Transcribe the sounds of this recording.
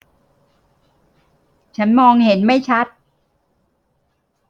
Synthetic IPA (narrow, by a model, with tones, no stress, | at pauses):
t͡ɕʰa˦˥nmɔː˧ŋhe˩˦nma˥˩jt͡ɕʰa˦˥t̪̚